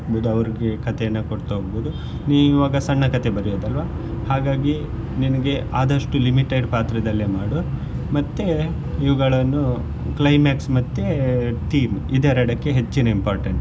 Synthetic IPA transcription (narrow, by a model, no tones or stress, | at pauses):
bud̪uɐʋɐɾiɡekɐt̪ɛjɐnːɐkoɽt̪ɦoːɡbuːd̪u | niːiʋaːɡɐsɐɳːɐkɐt̪e̞bɐɾijoːd̪ɐlʋaː | haːɡaːɡi | ninɐɡe̞aːd̪ɐʂʈulimiʈeɖpaːt̪ɾɐd̪ɐlːemaːɽoːɾ | mɐt̪ːe | iʋuɡɐɭɐnːu | klɐjmaːksmɐt̪ːeʈiːmid̪eːɾɐɽɐkːeɦe̞t͡ʃːinɐimpaːɾʈeɳʈ